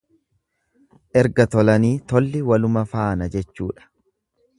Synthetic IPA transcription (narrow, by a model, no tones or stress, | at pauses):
ʔɛɾɡɐt̪ɔlɐniːt̪ɔlːɪwɐlʊmɐfaːnɐd͡ʒɛt͡ʃːṵːᶑɐ̥